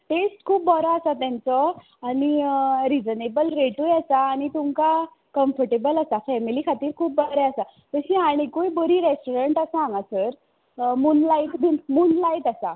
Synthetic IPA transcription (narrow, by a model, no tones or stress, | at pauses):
ʈesʈkʰuːpbəɾaasat̪jãnt͡sɔ | aɽ̃iɾid͡zənebəlɾeʈujɛsaːɽ̃it̪umka | kəmfəɾʈebəlasafɛmilikʰat̪iːɾkʰuːp̚bəɾaasa | t̪əɕĩaɽ̃ikojbəɾiːɾesʈoɾəɳʈasaãŋasəɾ | munlaiʈd̪inmuːnlaiʈ̪asa